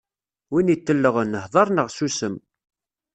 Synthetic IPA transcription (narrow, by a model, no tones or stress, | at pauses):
winit̪ːəlːəʁənːəhðˤɑɾˤnəʁsusəm